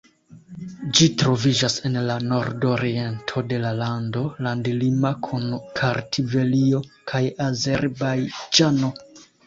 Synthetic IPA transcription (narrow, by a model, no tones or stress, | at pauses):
d͡ʒitɾo̞vid͡ʒase̞nlano̞ɾdo̞ɾie̞ntʰo̞de̞lalando̞landilimakʰunkʰaɾtʰive̞lio̞kʰajaze̞ɾbajd͡ʒano̞